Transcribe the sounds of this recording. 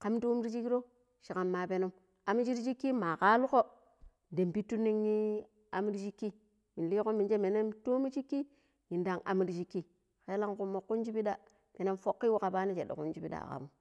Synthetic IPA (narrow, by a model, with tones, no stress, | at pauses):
ka˦mto˦mi˦ɾi˦t͡ʃi˦kːi˦ɾo˦ | ʃi˨ka˨mːa˨pe˨nu˦m | a˨mi˦t͡ʃi˦ɾi˦t͡ʃi˦kːi˦ma˨ka˦lu˦ko˦ | de˨mpi˦tːu˦nːi˦ŋɲi˦ | a˨mi˦ɾi˦t͡ʃi˦kːi˦ | mi˨nli˦ko˦mi˨nd͡ʒe˦me˨ne˦mto˦mi˦t͡ʃi˦kːi˦ | ɲi˨nda˨ŋa̰˨mi˦ɾi˨t͡ʃi˦kːi˦ | xe˦la˦ŋku˨mːo˨kːu˦nd͡ʒi˦pi˦da˦ | pe˨ne˦mfo˦kːi˦wu˦ka˨pa˦ni˦t͡ʃe˨ɗo̰˨kṵ˦nd͡ʒi˦pi˦da̰˨ka̰˨mu˦